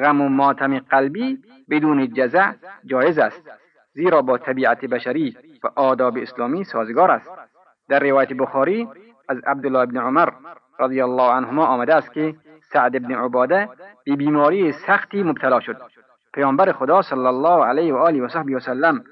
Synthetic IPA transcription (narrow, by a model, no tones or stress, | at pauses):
ɣæmʊmɒːt̪ʰæmeqælbiː | bed̪uːned͡ʒæzæd͡ʒɒːjezæst̪ | ziːɾɒːbɒːt̪ʰæbiːat̪ʰebæʃæɾiː | væʔɒːd̪ɒːbeːslɔːmiːsɒːzɡɒːɾæst̪ | d̪æɾːevɒːjæt̪ebʊxɔːɾiː | æzæ̰b̚d̪ʊlːɑːhebneʕʊmæɾ | ɾad̪ijælˠːɑːʕanhʊmɒːʔɔːmæd̪æːst̪̚ke | saʕd̪ebneʕobɒːd̪æb̥ebiːmɒːɾiːsæxt̪iːmʊbt̪ʰalɒːʃod̪̚ | pʰajɒːmbæɾexod̪ɒːsalːalːɑːhʕalehvæʔɒːliʋæsohbiʋasalːæm